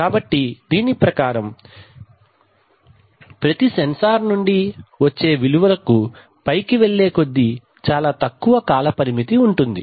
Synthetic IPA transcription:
kaːbɐʈːid̪iːnipɾɐkaːɾɐm | pɾɐt̪isɐnsaːɾnuɳɖiʋɐt͡ʃːe̞ːʋiluʋɐlɐku | pɐjkiʋeɭːe̞ːko̞d̪ːi | t͡ʃaːlaːt̪ɐkːuʋɐkaːlɐpɐɾimit̪iuɳʈund̪i

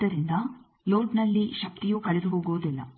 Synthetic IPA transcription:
ɐɾind̪ɐ | loːɖnɐlːiʃɐp̚t̪ijuːkɐɭid̪uɦoːɡuʋud̪ilːɐ̰

